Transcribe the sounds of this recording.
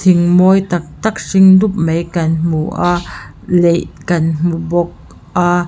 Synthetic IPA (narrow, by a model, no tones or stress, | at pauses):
t̪ʰɪŋmɔjt̪ak̚t̪ak̚sɪŋd̪up̚mejkɐnm̥uʔa | lejkɐnm̥ubɔk̚ | ʔa